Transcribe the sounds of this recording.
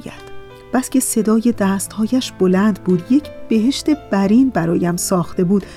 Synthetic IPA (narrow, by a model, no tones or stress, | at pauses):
jæ̰d̪̥ | b̥æsce̞se̞d̪ɒːje̞d̪æst̪hɒːjæʃb̥o̞lænd̪buːd̪je̞cʰb̥e̞ɦe̞ʃt̪e̞b̥æɾiːnbæɾɒːjæmsɒːxt̪e̞buːd̪